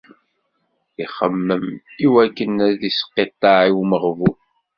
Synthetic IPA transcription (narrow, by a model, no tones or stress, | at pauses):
iχəmːəmiwækːənæðisə̥qːet̪ˤːɑʕiwməʁvun